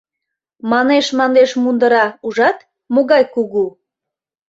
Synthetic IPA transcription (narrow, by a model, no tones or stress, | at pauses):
mɑneʃmɑnd̪eʃmund̪əɾɑuʒɑt̪ | moɣɑjkuɣu